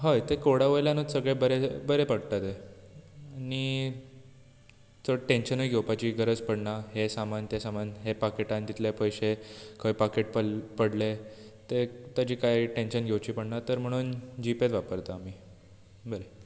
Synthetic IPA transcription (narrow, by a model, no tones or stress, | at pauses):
ɦəjt̪ekoɽaʋəjljanət̪səɡɭebəɾebəɾepəɽt̪at̪e | ani | t͡səʈenɕənəɡʱewpat͡ɕiːɡəɾəd͡zpəɽɳaɦesamant̪jasamanɦepakeʈãnd̪it̪lepəjɕekʰəʋipakeʈ̚pəpəɽle | t̪et̪ad͡ʑiːkajʈenɕənɡʱewt͡ɕiːpəɽnat̪əɾm̤əɽ̃uːnd͡ʑipet̪ʋapəɾt̪aːmiː | bəɾe